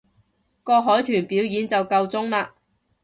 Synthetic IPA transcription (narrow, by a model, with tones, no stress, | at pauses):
kɔː˧k̚ɦɔː˨˥jt̪ʰyː˨˩npiː˨˥wjiː˨˧nt͡sɐ˨wkɐ˧wt͡sʊ˥ŋlaː˧